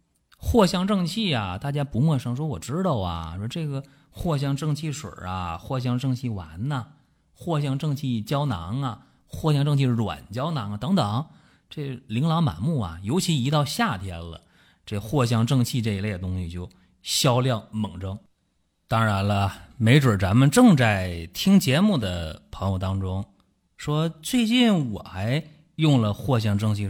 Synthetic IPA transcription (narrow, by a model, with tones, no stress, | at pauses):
xwɔ˥˧ɕjɑ˥˧ŋʈ͡ʂɤ˥˧ŋt͡ɕʰi˥˩ɐ̰˩t̪a˥˩t͡ɕja˥pu˧˥mwɔ˥˩ʂɤ˥ŋʂ̬wɔ˥wɔ˨˩ʈ͡ʂɻ̩˥t̪o˥˩ʊɐ̰˩ɔ˥ʈ͡ʂɤ˥˩ɡə˩ | xwɔ˥˧ɕ̬jɑ˥˧ŋʈ͡ʂɤ˥˧ŋt͡ɕʰi˥˩ʂwə̰˞˨˩ɐ̰˧xwɔ˥˩ɕ̬jɑ˥˧ŋʈ͡ʂɤ˥˧ŋt͡ɕʰi˥˩wa̰˧˥nɐ˧ | xwɔ˥˧ɕ̬jɑ˥˧ŋʈ͡ʂɤ˥˧ŋt͡ɕʰi˥˩t͡ɕjɑ˥ʊna˧˥ŋɐ˧ | xwɔ˥˩ɕjɑ˥˧ŋʈ͡ʂɤ˥˧ŋt͡ɕʰi˥˧˩ʂɻwa̰˨˩nt͡ɕjɑ˥ʊnɑ˧˥ŋ˧t̪ɤ˧˥ŋt̪ɤ˨˩˦ŋ | ʈ͡ʂe˥˩li˧˥ŋlɑ˧˥ʊma̰˨˩nmu˥˩ɐ̰˩jo˧˥ʊt͡ɕʰi˧˥i˧˥t̪ɑ˥˧ʊɕja˥˩t̪ʰjɛ˥nlə̰˨ | ʈ͡ʂɤ˥˩xwɔ˥˧ɕ̬jɑ˥˧ŋʈ͡ʂɤ˥˧ŋt͡ɕʰi˥˧ʈ͡ʂɤ˥˧i˧˥le˥˩ɪə˩t̪̬ʊ˥ŋɕi˨˩t͡ɕjo˥˩ʊ | ɕjɑ˥ʊljɑ˥˩ŋmɤ˨˩ŋʈ͡ʂɤ˥ŋ | t̪ɑ˥ŋɻa˧˥nlə˧me˧˥ɪʈ͡ʂwə˞˨˩ʈ͡ʂa˧˥nmə˧nʈ͡ʂɤ˥˧ŋt͡sa˥˩ɪt̪ʰi˥ŋt͡ɕjɛ˧˥mu˥˩d̪ə̰˩pʰɤ˧˥ŋjo˧ʊt̪ɑ˥ŋʈ͡ʂʊ˥ŋ | ʂwɔ˥t͡swe˥˧ɪt͡ɕi˥˩nwɔ̰˨˩xa˧˥ɪ | jʊ˥˩ŋlə˩xwɔ˥˧ɕ̬jɑ˥˧ŋʈ͡ʂɤ˥˧ŋt͡ɕʰi˥˧